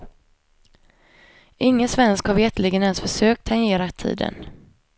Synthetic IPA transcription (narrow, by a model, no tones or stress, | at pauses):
ʔɪŋːənsvɛnskhaɾvɛʈ̪lɪɡənɛnsfœʂøːk̚t̪ʰːaŋeːɾat̪ʰḭːd̪ə̰n